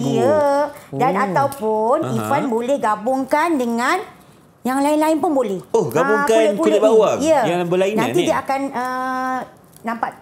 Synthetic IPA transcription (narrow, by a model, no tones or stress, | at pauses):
iədanat̪awpʊnifanbolɛhɡabʊŋkandəŋãn | jaŋlaɪnlaɪnpʊnbolɛhohɡabuŋkaolɛbolɛbawaiəjalabəlainãnt̪idiəakanə | nãmpaʔ